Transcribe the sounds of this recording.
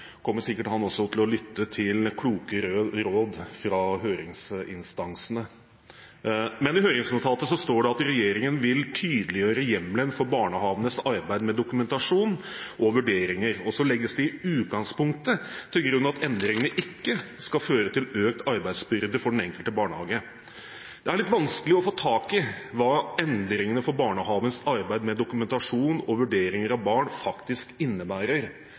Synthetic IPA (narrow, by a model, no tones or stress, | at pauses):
kʰɔmːəsɪkːəʈhɑnɔsːɔt̪ʰɪlɔlʏt̪ːət̪ʰɪlkʰluːkəɾɾoːd̪fɾɑɦøːɾɪŋsɪnst̪ɑnsənə | mɛnɪɦøːɾɪŋsmʊt̪ʰɑːt̪əsɔst̪oːɖɛɑt̪ɾɛjeːɾɪŋənʋɪlt̪ʰyːd̪əlɪjøːɾəjɛmlənfɔɾbɑːɳəhɑːʋənəsɑɾbæɪd̪mɛd̪ʊkʉmɛnt̪ɑʂuːn | ʔɔʋʉɖeːɾɪŋəɾɔsɔlɛɡːəsd̪ɪɪʉːt̪̚ɡɑŋspʊŋk̚t̪ət̪ʰɪlɡɾʉnːɑt̪ɛnd̪ɾɪŋənəʔɪkːəskɑføːɾət̪ʰɪløːk̚t̪ɑɾbæɪsbʏɾd̪əfɔɖɛnɛŋkəlt̪əbɑːɳəhɑːɡə | d̪̥ɛæɾɭɪt̪ːʋɑnskəlɪɔfoːt̪ʰɑːkɪʋɑːɛnd̪ɾɪŋənəfɔɾbɑːɳəhɑːʋənsɑɾbæɪd̪mɛd̪ʊkʉmɛnt̪ɑʂuːnɔʋʉɖeːɾɪŋəɾɑʋbɑːɳfɑkt̪ɪskɪnːəbæːɾəɾ